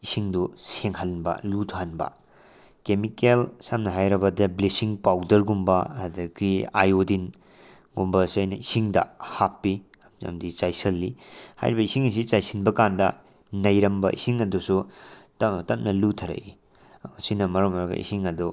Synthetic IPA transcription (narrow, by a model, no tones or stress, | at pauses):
isiŋduseŋhɐnbɐ̰lutʰuanbɐ̰ | kemikelsamnɐɦajɾɐbɐdɐblesiŋpawdɐɾɡumbɐhadɐkia̰jodin | ɡumbɐsɐjnɐisiŋdɐ̰hapːi | ɐmd͡ʒɐ̰mdit͡ʃajsɐlːiha̰jɾibɐisiŋis̬it͡ʃajsinbɐkandɐ | nɐjɾɐmbɐʔḭsiŋɐdusuttɐp̚nɐlutʰɐɾɐ̰ʔi | sinɐmɐɾɐmɐɾɐɡɐ̰ʔḭsiŋɐdu